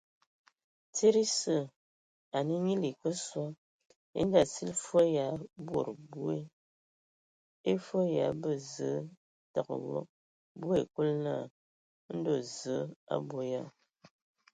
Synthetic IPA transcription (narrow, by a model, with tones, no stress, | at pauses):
t͡se˦ɾi˦sə˦˨ | a˨ni˦ɲi˦li˨kə˦swa˦ | ḛ˦n˦da˨si˦lfə˦ja˨˦bwo̰˦˨ɾbu˦e˦ | e˦fə˦ja˨˦bə˨zə˨˦ | ta˨kə̰˨wɔ̰˦ | bu˦e˨ku˦lna˦˨˦ | n̩˦do˨zə˨˦a̰˦bwo˦ja˦˨